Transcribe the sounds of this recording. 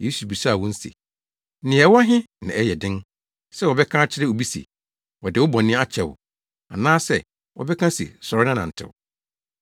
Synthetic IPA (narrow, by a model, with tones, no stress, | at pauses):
je˦su˨bi˨sa˦a˨wɔ̃˦n̩˦sḛ˨˦ | nɪ̃˨ɛ˨wɔ˦a˦ɦɪ̃˦ | nã˨ɛ˦jɛ˨dɪ̃˦n | sɛ˦wɔ˨bɛ˦kʰã˦a˦t͡ɕʰɪ˦ɾɪ˦o˨bi˦sḛ˨ | wɔ˨dɪ˨wʊ˦bɔ̃˨nɪ̃˦a˦t͡ɕʰɛ˨wʊ̰˨ | a˨nãː˦sɛ˦˨ | wɔ̰˨bɛ˦kʰã˦sḛ˨sɔ˨ɾɪ˦nã˦nã˨n̩˨tʰɪ̰˨wʊ̰˨